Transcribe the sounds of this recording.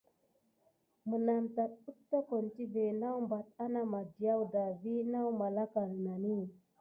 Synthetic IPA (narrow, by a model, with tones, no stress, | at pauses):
mə˨na˨mta˨t̚ə˦k̚ta˦ko˨nti˦ve˨na˦wmba˨t̚a˦na˦ma˨di˨ja˦wda˨vi˦na˦wma˨la˦ka˨ɾə˨na˨ni˦˨